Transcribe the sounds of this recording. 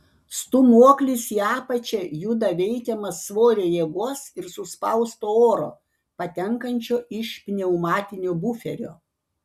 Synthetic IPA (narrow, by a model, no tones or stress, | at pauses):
st̪ʊmuɔklʲɪsiɑːpɐt͡ʃʲɛjʊd̪ɐʋʲɛɪkʲɛmɐsʋoːɾʲeːjiɛɡuɔsɪɾsʊspɐʊst̪oːoːɾo̰ː | pɐt̪ʲɛŋkɐnʲt͡ʃʲoːɪʃpʲnʲɛʊmɑːt̪ʲɪnʲoːbʊfʲɛɾʲo̰ː